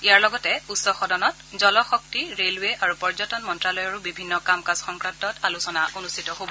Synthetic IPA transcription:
iaɹlɔɡɔtɛutsɔxɔdɔnɔtzɔlɔxɔk̚tiɹelweʔaɹupɔɹzɔtɔnmɔntɹalɔjɔɹubibʱinːɔkamkasxɔŋkɹantɔtalusɔnaʔonustʰitɔɦobɔ

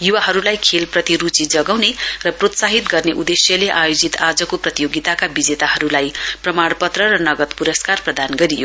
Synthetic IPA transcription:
juwaɦʌɾulajkʰelprʌt̪iɾut͡sid͡zʌɡawnerʌprot̪saɦit̪ɡʌrneʔud̪esjʌleʔajod͡zit̪ad͡zʌkoprʌt̪ijoɡit̪akabid͡zet̪aɦʌɾulajprʌmaɽpʌt̪rʌrʌnʌɡʌt̪puɾʌskarprʌd̪anɡʌɾijo

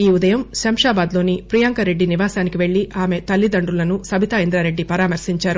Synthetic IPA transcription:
iːud̪ɐjɐmʃɐmʂaːbaːd̪lo̞ːnipɾijaŋkɐɾe̞ɖːiniʋaːsaːnikiʋe̞ɭːiʔaːme̞t̪ɐlːid̪ɐɳɖulɐnusɐbʱit̪aind̪ɾaːɾe̞ɖːipɐɾaːmɐɾsiɲt͡ʃaːɾu

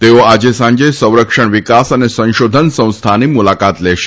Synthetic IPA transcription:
t̪eʋoad͡ʑesãɲd͡ʑesə̃w̃ɾəkʂəɳʋikasanesə̃w̃ɕod̪ʱənsə̃w̃st̪ʰaniːmulakat̪leɕ

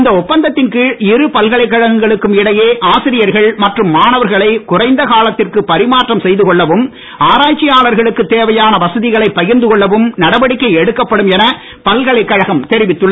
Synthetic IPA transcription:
ɪnd̪ɐɔpːɐnd̪ɐt̪ːɪnkɯɪɾɯpɐlɣɐɭɐɪkːɐɻɐɣɐŋɡɐɭɯkːɯmɪɽɐjeːʔaːsɪɾɪjɐɾɣɐɭmɐʈrɯmːaːnɐʋɐɾɣɐɭɐɪkʊrɐɪnd̪ɐkaːɭɐt̪ːɪrkɯpɐɾɪmaːʈrɐmsɛjðɯkɔɭːɐʋɯm | aːɾaːt͡ʃːɪjaːlɐɾɣɐɭɯkːɯt̪ːeːʋɐjaːnɐʋɐsɐðɪɣɐɭɐɪpːɐjɪɾnd̪ɯkɔɭːɐʋɯmnɐɽɐʋɐɽɪkːɐɪɛɽɯkːɐpːɐɽɯmɛnɐ | pɐlɣɐɭɐɪkːɐɻɐɣɐmt̪ɛɾɪʋɪt̪ːɯɭːɐ

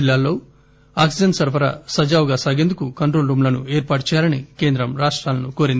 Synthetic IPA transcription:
lːaːlːo̞ː | aːksid͡ʒɐnʈsɐɾʋɐɾɐ̰sɐd͡ʒaːwɡaːsaːɡeːnd̪ukukɐɳʈɾoːlɾumlɐnueːɾpaːʈ̚t͡ʃɛːjaːlɐnike̞ːnd̪ɾɐmɾaːʂʈɾaːlɐnuko̞ːɾind̪i

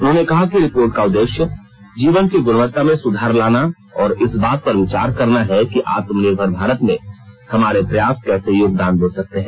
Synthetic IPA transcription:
ʊnɦõːnekɐɦakiɾɪpoːɾʈ̚kaʊd̪ːeːʃjə | d͡ʒiːʋənkiɡʊnʋət̪ːamẽsʊd̪ʱaːɾlaːna | ɔːɾɪsbaːt̪̚pɐɾʋɪt͡ʃaːɾkɐɾnaɦɛkiʔaːt̪mneːbʱɔɾbʱaːɾət̪mẽhɐmaːɾepɾɐjaːskɛːsejoːɡ̚d̪aːnboːsɐk̚t̪eɦɛ̃ː

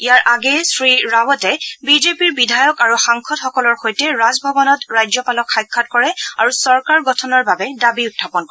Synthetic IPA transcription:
ijaɹʔaɡɛsɹiɹawɔtɛbizepiɹbidʱajɔkaɹuxaŋkʰɔtxɔkɔlɔɹxojtɛɹazbʱɔbɔnɔtɹajzɔpalɔkxajkʰːat̚kɔɹɛaɹusɔɹkaɹɡɔtʰɔnɔɹbabɛdabiʊtʰːapɔnkɔɛ

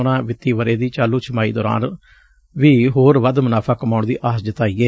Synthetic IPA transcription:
ʊnãːʋɪt̪ːiːʋəɾeːd̪iːt͡ʃaːluːt͡ʃʰəmaːḭːd̪ɔːɾa̰ːn | ʋiːɦoːɾʋəd̪mənaːpʰaːkəmaːɳd̪ḭːʔaːsd͡ʒɪt̪aːiːɛː

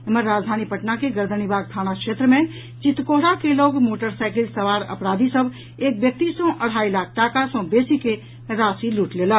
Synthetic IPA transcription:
eməɾːaːd͡ʒd̪ʱaːnipəʈnakeɡəɾd̪ʱənibaːɡ̚t̪ʰaːnakʃeːt̪ɾəmẽ | t͡ʃɪt̪ːkoɦɾakeloːɡmoːʈəɾsaɪkɪlsəʋaːɾə̰pɾaːd̪ʱisəbʱ | eːk̚bjək̚t̪isɔ̃ʔəɽ̤aːilaːk̚ʰʈaːkasɔ̃beːsike | ɾaːsiluːʈleːlə

